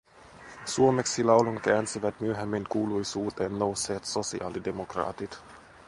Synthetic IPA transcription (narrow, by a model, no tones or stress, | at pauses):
suo̞meksilɑwluŋkæːnsiʋæt̪myøɦemːiŋkuːlujsuːt̪eːnːo̞wseːt̪so̞siɑ̰ːlide̞mokrɑ̰ːt̪it̪